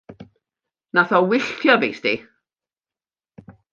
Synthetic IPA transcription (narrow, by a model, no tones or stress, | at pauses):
naθɔwɪɬtʰjɔveːsdi